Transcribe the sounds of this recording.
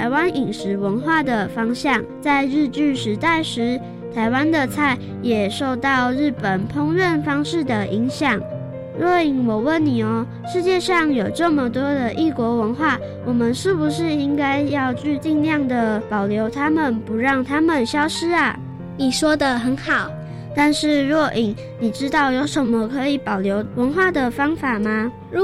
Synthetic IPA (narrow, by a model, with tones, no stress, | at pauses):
a˧˥ɪwa˦˥ni˨˩ŋʂɻ̩˧˥wə˧˥nxwa˥˩d̪ə˩fɑ˥ŋɕjɑ˥˩ŋt͡sa˥˧ɪɻ̩˥˧t͡ɕy˥˩ʂɻ̩˧˥t̪a˥˩ɪʂɻ̩˧˥ | t̪ʰa˧˥ɪwa˦nd̪ə˨t͡sʰa˥˩ɪ | jɛ˨˩ʂo˥˧ʊt̪ɑ˥˧ʊɻ̩˥˩pə˨˩npʰʊ˥ŋɻə˥˨nfɑ˥ŋʂɻ̩˥˩d̪ə˩ʔi˧˥ŋɕjɑ˨˩ŋ | ɻɔ˥˧˩i˨˩ŋwɔ˨˩wə˥˨˩nːi˨˩ɔ˧˦ | ʂɻ̩˥˧t͡ɕjɛ˥˧ʂɑ˥˩ŋjo˨˩ʊʈ͡ʂə˥˩mə˨t̪wɔ˥d̪ə˨ʔi˥˩kwɔ˧˥wə˧˥nxwa˥˩ | wʔɔ˨˩mə˨nʂɻ̩˥˩bu˨ʂɻ̩˥˩i˦˥ŋka˥ɪjɑ˥˧ʊt͡ɕy˥˧t͡ɕi˥˧ŋljɑ˥˩ŋd̪ə˨pɑ˨˩ʊljo˧˥ʊt̪ʰa˥mə˨npu˨˧˥ɻɑ˥˩ŋt̪ʰa˥mə˨nɕjɑ˥ʊʂɻ̩˥a˨ | ni˨˩ʂwɔ˥d̪ə˨xə˧˦nxɑ˨˩˦ʊ | t̪a˥˧nʂɻ̩˥˩ɻwɔ˥˩ʔi˨˩ŋ | ni˨˩ʈ͡ʂɻ̩˦˥t̪ɑ˥˩ʊjo˧˥ʊʂə˧˦nmə˨kʰɤ˧˥i˨˩pɑ˨˩ʊljo˧˥ʊwə˧˥nxwa˥˩d̪ə˨fɑ˥ŋfa˨˩˦ma˩˧˥